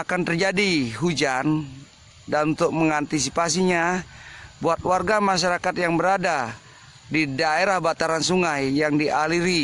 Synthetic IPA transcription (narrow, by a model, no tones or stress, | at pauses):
akant̪ərd͡ʒadiɦud͡ʒan | danunt̪ʊk̚məŋant̪isipas̬iɲa | buat̪̚warɡamaʃ̬aɾakat̪jaŋbəɾada | didaeɾahbat̪aɾansuŋajːaŋdiʔaliɾi